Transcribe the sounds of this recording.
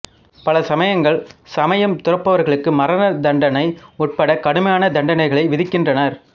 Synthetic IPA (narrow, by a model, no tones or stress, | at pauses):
pɐlɐsɐmɐjɐŋɡɐɭsɐmɐjɐmt̪ʊrɐpːɐʋɐɾɣɐɭɯkːɯmɐɾɐnɐd̪ɐɳɖɐnɐɪʊʈ̚pɐɽɐkɐɽɯmɐjaːnɐd̪ɐɳɖɐnɐɪɣɐɭɐɪʋɪðɪkːɪndrɐnɐɾ